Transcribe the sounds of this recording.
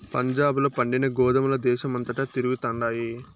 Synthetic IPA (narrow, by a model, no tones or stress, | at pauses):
pɐɲd͡ʒaːbloːpɐɳɖinɐɡɔːd̪ɐmlɐd̪ɛːʃɐmɐnt̪ɐʈɐt̪iɾuɡut̪ɐɳɖaːji